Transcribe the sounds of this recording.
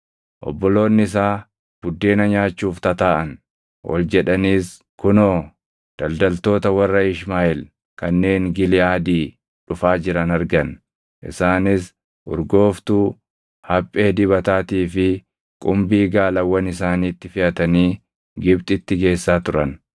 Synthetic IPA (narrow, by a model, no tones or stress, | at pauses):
ʔɔ̰bːɔlo̞ːnːɪs̬aː | b̥ʊd̪ːe̞ːnɐɲaːt͡ʃːuːft̪ɐt̪aːʔɐn | wʔɔ̰ld͡ʒɛᶑɐniːs | kʊnoː | d̪̥ɐld̪ɐlt̪o̞ːt̪ɐwɐrːɐɪʃmaːʔɪl | kɐnːe̞ːŋɡɪlɪʔaːd̪iː | ᶑʊfaːd͡ʒɪɾɐnɐɾɡɐn | ʔɪ̰saːnɪs | ʔʊ̰ɾɡo̞ːft̪uː | hɐpʼːe̞ːd̪ɪβɐt̪aːt̪iːfɪ | kʼʊmbiːɡaːlɐwːɐnɪs̬aːniːt̪ːɪfɪɐt̪ɐniː | ɡɪbt̪ʼɪt̪ːɪɡe̞ːsːaːt̪ʊɾɐn